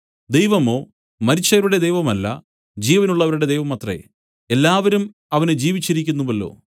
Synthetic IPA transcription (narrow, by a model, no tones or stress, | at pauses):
d̪e̞jʋɐmo̞ː | mɐɾit͡ɕːɐʋɐɾuɽe̞d̪e̞jʋɐmɐlːɐ̰ | d͡ʑiːʋɐnuɭːɐʋɐɾuɽe̞d̪ejʋɐmɐt̪rḛ | e̞lːaːʋɐɾum | ɐʋɐned͡ʑiːʋit͡ɕːiɾikʲːunːumɐlːo̞̰ː